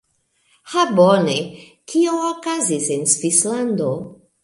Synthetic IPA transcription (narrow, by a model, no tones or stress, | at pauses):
habone | kʰioːkazisensvisland̪o